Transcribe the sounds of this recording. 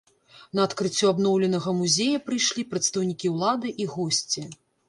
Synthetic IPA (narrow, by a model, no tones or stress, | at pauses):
nɐːt̪kɾɨt͡sʲːuabnɔwlʲɛnɐɣɐmuzʲejɐpɾɨjʂlʲipɾɐt̪st̪ɐwnʲikʲiwlˠad̪ɨʔiɣɔsʲt͡sʲi